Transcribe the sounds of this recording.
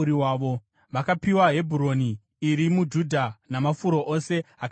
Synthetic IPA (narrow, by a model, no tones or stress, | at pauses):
ɾiwaːʋo | ʋakapiwaɦe̞bʱuɾo̞ni | iɾimud͡ʒudʱanamafuɾo̞ʔose̞ak